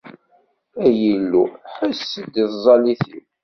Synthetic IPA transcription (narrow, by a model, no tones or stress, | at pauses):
æjəlːuħəsːəd̪iθzˤɑliθiw